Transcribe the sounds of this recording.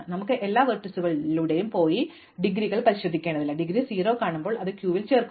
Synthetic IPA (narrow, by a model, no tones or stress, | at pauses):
nɐmukːɨʔelːaːʋɐrʈːɐsuɣɐɭuɽejumpoːji | ɖiɡɾiɣɐɭpɐɾiɕɾɐd̪ːikʲːeːɳɖɐðilːɐɖiɡɾisiːɾoːkaːɳumbo̞ːɭɐðɨkjuːʋilt͡ɕeːrk